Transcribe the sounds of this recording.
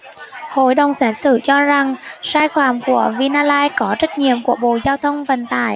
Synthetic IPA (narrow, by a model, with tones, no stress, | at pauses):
ho̰˧˩jɗə˨˩wŋ͡msaː˦˥t̚sɨ̰˧˩t͡ɕɔ˧za˨˩ŋsaː˧jxaː˧˩mku˧˩əvi˧naː˧laː˧jkɔ˨˦t͡ɕə˦˥t̚ɲḭ˧˨əmku˧˩əɓo̰˧˨zaː˧wt̪ʰə˧wŋ͡mvə̰˧˨˩nt̪a̰ː˧˩˨j